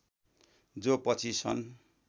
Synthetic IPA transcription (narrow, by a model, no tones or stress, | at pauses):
d͡zopʌt͡sʰisʰʌ̰n